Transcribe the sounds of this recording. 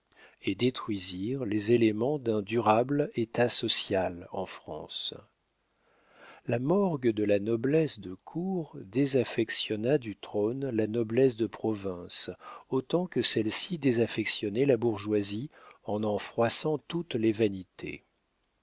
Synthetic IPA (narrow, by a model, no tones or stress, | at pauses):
ed̪et̪χɥiziʁlezelemɑ̃d̪ɛ̃d̪yʁablet̪asɔsjalɑ̰̃fχɑ̰̃s | lamɔʁɡd̪əlanɔblɛsd̪əkʰuʁd̪ezafɛksjɔnad̪yt̪χonlanɔblɛs̬d̪əpχɔvɛ̃sot̪ɑ̃kəsɛlsid̪ezafɛksjɔnɛlabuʁʒwaziɑ̃nɑ̃fχwasɑ̃t̪ut̪levanit̪ʰḛ